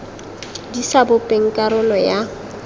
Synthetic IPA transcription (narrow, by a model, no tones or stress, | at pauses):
disabʊpʼeŋ̩kʼaɾʊlɔja